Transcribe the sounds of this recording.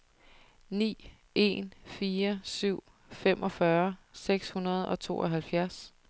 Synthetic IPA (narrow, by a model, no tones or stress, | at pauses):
nḭː | e̝̰nfiːɐsyʊ̰ | femʔɒ̽fɶɐseɡ̥shunɐð̞̩ˠɒ̽t͡sʰo̝̰ːʔɒ̽ɦælfjæɐs